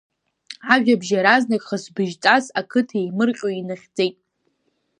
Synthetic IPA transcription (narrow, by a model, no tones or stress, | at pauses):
aʒᶣabʒaɾaznakʼχəsbɨʒt͡sʼazakʰɨtʰaejmɨrqʲʼoinɨχʲd͡zejtʼ